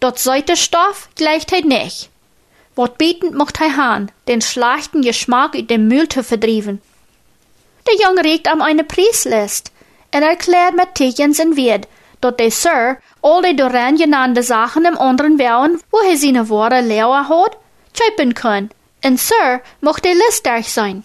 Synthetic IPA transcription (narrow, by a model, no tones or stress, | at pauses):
d̥ɔtz̥ɔɪtəʃtɔfɡ̥lɛɪçtheɪtnɪ̰ç | vɔt̚b̥itn̩tmʊxthɛɪɦand̥enʃlaxtn̩jəʃmakyt̚d̥emmyltʰəfədɾiːvən | d̥əjʊŋəɾik̚taːmɛɪnəpʰriːslɪst | ənɛɹkʰlɛːɹt̚mɛtʰːiçənsənviəd | d̥ɔt̚d̥esøɹ | ɔlˠdedoɾɛnjənandəzaxənəmʔɔndəɾənvɛwənvoɦeɪzinəvɔəɾəlɛwəɦɔd | t͡ʃʰœɥpənkʰɔn | ənsøɹmʊxt̚d̥elɪstd̥ɛɹçz̥aɪn